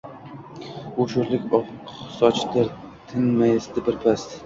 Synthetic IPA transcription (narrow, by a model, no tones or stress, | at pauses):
ʊʃʊɾlɪkʲɒqsɒt͡ʃd̪aɾ | t̪ʰɪnmajɪst̪ɪbɪɾpʰas